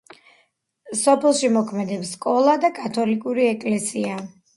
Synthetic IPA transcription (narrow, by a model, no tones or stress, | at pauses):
sɔpʰɛlˠʃimɔkʰmɛd̪ɛpsːkʼɔlˠad̪akʼat̪ʰɔlikʼuɾiɛkʼlɛsia